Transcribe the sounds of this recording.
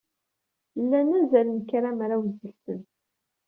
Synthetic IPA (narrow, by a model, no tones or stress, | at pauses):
lːænæzælənkɾamɾawzəlsən